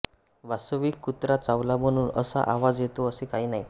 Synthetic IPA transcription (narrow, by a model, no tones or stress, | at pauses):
ʋasəʋiːkːut̪ɾat͡saʋlam̤əɽ̃uːnəsa̰ʔaʋad͡zjet̪oəsekaɦiːnaɦj